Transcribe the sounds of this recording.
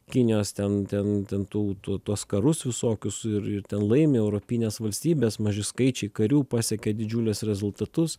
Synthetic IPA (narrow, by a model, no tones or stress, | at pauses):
kʲɪnʲɪjoːst̪ʲɛnt̪ʲɛnt̪ʲɛnt̪uːt̪uɔt̪uɔskɐɾʊsʋʲɪsoːkʲʊsɪɾɪɾt̪ʲɛnlˠɐɪmʲeːɛʊɾoːpʲɪnʲeːsʋɐlʲsʲt̪ʲiːbʲeːsmɐʒʲɪskɐɪt͡ʃʲɛɪkɐɾʲuːpɑːsʲɛkʲɛd̪ʲɪd͡ʒʲulʲɛsɾʲɛzʊlˠt̪ɐt̪ʊs